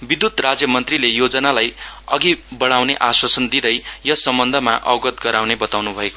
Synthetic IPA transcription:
bid̪jut̪rad͡zjʌmʌnt̪rilejod͡zʌnalajʌɡibʌɽawneʔaswasʌnd̪id̪ʌjjʌsʌmbʌnd̪ʱʌma̰ʔʌ̰wɡʌt̪ɡʌɾawnebʌt̪awnubʱʌeko

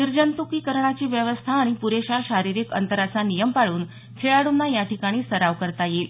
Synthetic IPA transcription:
niɾd͡ʑənt̪ukiːkəɾɳ̃at͡ɕiːʋjəʋəst̪ʰaːɽ̃ipuɾeɕaɕaɾiɾiːkə̰nt̪əɾasanijəmpaɽuːn | t͡sʰeɭaɽunːajaʈikaɽ̃iːsəɾaʋkəɾt̪ajel

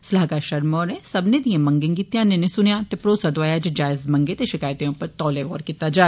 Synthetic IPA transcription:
səlaːkaːʃəɾmɔːɾẽːsəbnẽːd̪ijãmə̃ŋɡẽːɡiːt̪jãːnẽnẽsʊnjãːt̪eːpɾoːsaːd̪oʋaːjaːd͡ʒed͡ʒaːɪzməŋɡeːt̪eʃɪkaːjt̪ẽõːpəɾt̪ɔːleɣɔːɾkiːt̪ːaːd͡ʒaː

